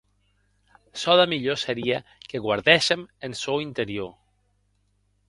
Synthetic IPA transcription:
sɔðamiʎoseɾiakeɣwaɾðɛʃemensowint̪eɾio

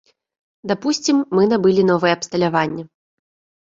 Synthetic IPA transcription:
d̪apusʲt͡sʲimːɨnabɨlʲin̪ɔvɨjɛɐpst̪ɐlʲavanʲːɐ

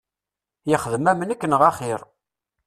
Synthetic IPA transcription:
jəχəðəmæmənækːənʁaχɪɾˤ

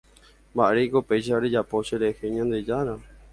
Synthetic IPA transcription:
mbaʔɾekopejʃ̬aɾed͡ʒapo̞ʃeɾeheɲãnd̪e̞d͡ʒaɾã

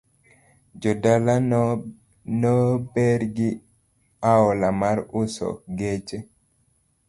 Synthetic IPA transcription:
d͡ʒɔdala | nɔbɛɾɡi | aɔlamaɾusɔ̰ɡet͡ʃɛ

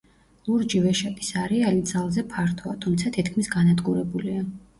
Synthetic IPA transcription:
lˠuɾd͡ʒivɛʃat̪ʼi̥saɾialid̪z̥alˠzɛpʰaɾt̪ʰɔat̪ʰumt̪sʰat̪ʰit̪kʰmisɡanad̪ɡuɾɛbulia

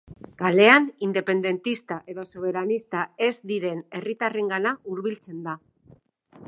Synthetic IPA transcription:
ɡ̥ale̞anind̪e̞pe̞nd̪e̞nt̪ist̪aʔe̞ðo̞soβ̞e̞ɾanist̪ae̞zd̪iɾe̞ne̞rit̪are̞ŋɡanauɾβilt͡se̞nd̪a

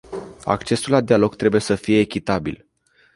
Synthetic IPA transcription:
a̰kt͡ʃe̞sulad̪ialo̞ɡt̪ɾe̞buje̞səfije̞ːkʲit̪abḭl

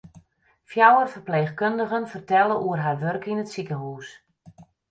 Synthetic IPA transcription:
fjawərfərpleːxkøndəɣənfərtɛlˠəʔuərɦarʋørkinətsikəɦuːs

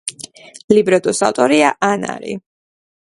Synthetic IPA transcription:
libɾɛd̪ʼusa̰wt̪ʼɔɾiaʔana̰ɾḭ

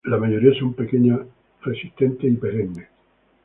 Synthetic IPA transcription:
lamajoɾiasompekeɲa | resi̥st̪ent̪eipeɾenːe

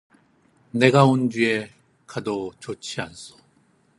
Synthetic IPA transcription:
ne̞ɡaond͡ʑie | kadot͡ɕot͡ɕʰians͈o̥

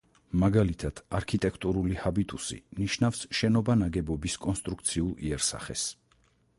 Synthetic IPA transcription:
maɡalit̪ʰad̪̥aɾkʰit̪ʼɛkʰt̪ʼuɾulihabit̪ʼusḭmniʃnafsʃɛnɔbanaɡɛbɔbiskʼɔnst̪ʼɾukʰt̪sʰiulˠḭɛɾsa̰χɛ̰s

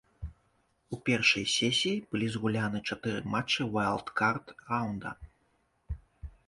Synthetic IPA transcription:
upʲɛrʂɐjsʲɛsʲijːbɨlʲizɣulʲanɨt͡ʂat̪ɨɾɨ̰mat͡ʂːɨwajlˠt̪kart̪rawnd̪ɐ̰

